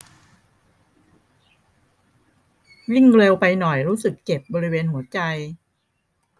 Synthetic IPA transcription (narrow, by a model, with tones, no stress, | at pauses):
wi˥˩ŋɾe˧wpa˧jnɔ˨˩jɾuː˦˥sɯ˨˩kːe˨˩p̚bɔː˧ɾi˦˥weː˧nhu˩˦ɐt͡ɕa˧j